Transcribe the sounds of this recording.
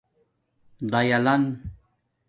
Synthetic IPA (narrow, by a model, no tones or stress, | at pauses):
d̪ajalan